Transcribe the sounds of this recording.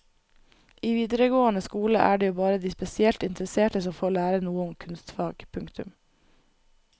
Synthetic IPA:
ʔiːʋiːd̪əɾəɡoːənəskuːləʔæːɖeːjuːbɑːɾəd̪iːspɛsɪɛlt̪ɪnt̪ɾəseːʈəsɔmfoːɾɭæːɾənuːəʊmkʰʉnst̪fɑːɡpʰʉŋkt̪ʉ̰m

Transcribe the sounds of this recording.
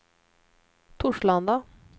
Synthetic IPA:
t̪ʰʊʂɭand̪a

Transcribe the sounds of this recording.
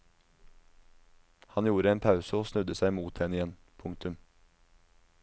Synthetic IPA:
hɑnjuːɾəeːnpʰɑʉsəoːsnʉd̪əsæɪmuːt̪̚hɛnɪjɛn | pʰʊŋt̪ʉm

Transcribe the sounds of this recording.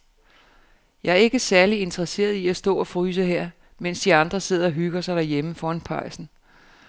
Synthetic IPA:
jɑ̈ɪæɐe̝ɡ̥əsæɐlie̝nt͡sʰɐʁɐse̝̰ːɐð̞̩ˠiæsd̥ɔ̰̽ːɒ̽fʁyːs̬əɦeɐ̰ | mensd̥iɑ̈nd̥ʁɐse̝ð̰ˠɐɒɦyɡ̥ɐsɑ̈ɪd̥æɐjeməfɒːɑnpʰɑ̈ɪsn̩

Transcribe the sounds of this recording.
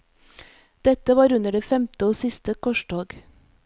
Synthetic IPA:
d̪̥ɛt̪əʋɑːɾʉnəɖeːfɛmt̪əoːsɪst̪əkʰɔʃɖoːɡ

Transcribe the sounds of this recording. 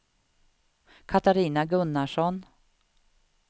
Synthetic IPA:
kʰat̪aɾiːnaɡɵnːaʂɔn

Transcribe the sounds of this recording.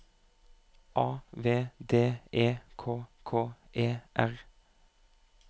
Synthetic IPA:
ʔɑːʋeːd̪eːʔeːkʰoːkʰoːʔeːʔæʁ

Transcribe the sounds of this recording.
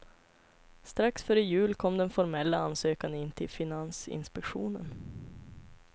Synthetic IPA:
st̪ɾaksfœːɾəjʉ̟ːlkʰɔmːd̪ɛnfɔɾmɛlːaansøːkanɪnːt̪ʰɪlfɪnansɪ̰nspɛkɧuːnə̰n

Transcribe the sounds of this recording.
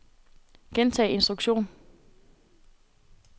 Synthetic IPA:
ɡ̥ent͡sʰɛ̰ːe̝nsd̥ʁuɡ̥ɕo̝̰ːn

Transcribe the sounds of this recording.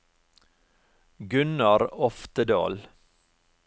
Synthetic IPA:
ɡʉnɑɾɔft̪əd̪o̰ːl

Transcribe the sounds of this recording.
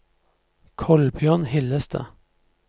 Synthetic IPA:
kʰɔlbjøːnhɪləst̪ʰə̰

